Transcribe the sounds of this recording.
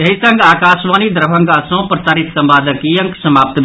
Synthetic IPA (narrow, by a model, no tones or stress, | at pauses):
jeɦisəŋɡakasʋanid̪ɾəbʱəŋɡasə̃pɾəsaːɾit̪səmbad̪ʱəkijəŋksəmap̚t̪bʱ